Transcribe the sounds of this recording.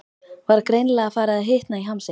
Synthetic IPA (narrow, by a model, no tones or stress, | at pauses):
vaɾakɾejnlɛɣafaːɾɪaðɦeht̪naiɦamse